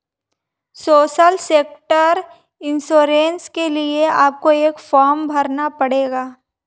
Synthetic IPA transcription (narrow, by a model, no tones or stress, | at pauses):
soːʃəlseːk̚ʈəɾ | ɪnsoːɾeːnskelieaːp̚koeːkfɔːɾmbʱɐɾnapɐɽeːɡaː